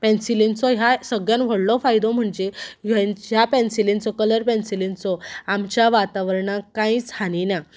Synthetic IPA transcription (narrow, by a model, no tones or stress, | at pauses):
pɛ̃nsilint͡sɔɦjasəɡɭjãnʋ̤əɽlɔfajd̪ɔm̤əɳd͡ʑeɦənɦjapɛnsilint͡sɔkələɾpɛnsilint͡sɔamt͡ɕjaʋat̪aʋəɾɳakãĩt͡sanina